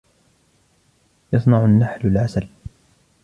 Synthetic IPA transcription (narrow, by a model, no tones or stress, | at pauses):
jɑsˤnɑʕʊnːaħlalʕasal